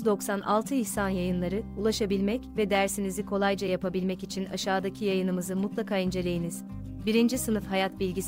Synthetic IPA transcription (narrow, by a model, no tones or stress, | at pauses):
zd̪o̞ksanʔa̰lˠt̪ʰɯiçsanjajɯnlˠaɾɯulˠaʃabilʲmɛcvɛd̪æɾsinizikʰo̞lˠajd͡ʒajapabilʲmɛcit͡ʃʰina̰ʃaːd̪acʰijajɯnɯmɯzɯmut̪lˠakʰaːind͡ʒe̞lʲe̞jiniz̥ | biɾind͡ʒisɯnɯfhajat̪bilʲɟis